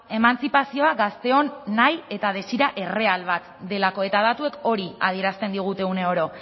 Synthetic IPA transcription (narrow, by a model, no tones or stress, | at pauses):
e̞mant͡sipasio̞aɡast̪e̞o̞nːaje̞t̪að̞e̞siɾaʔe̞re̞alβat̪d̪e̞lako̞e̞t̪að̞at̪ue̞ko̞ɾia̰ð̞ie̞ɾast̪e̞nd̪iɣ̞ut̪eune̞o̞ɾo̞